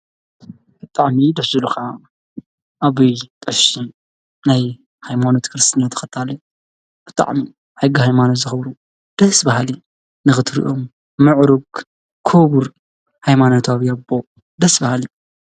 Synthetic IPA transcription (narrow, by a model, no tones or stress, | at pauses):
b̥ɨt̪ʼaʕmid̪ɐfzuluxa | ʔaβit̪ʼɐʃi | naj | hajmanot̪kʰɨɾɨst̪ʰɨnat̪ʰːɐ̥xɐt̪ʰalɐ | b̥ɨt̪ʼa̰ʕmi | ħɨɡːihajmanot̪zɨxɐβɾu | d̪̥ɐsbɐɦali | nɨxɨt̪ʰɾḭʔom | mɨʕɾuɡ | kʰoβuɾ | hajmanot̪ʰaβjabːo | d̪ɐsbahali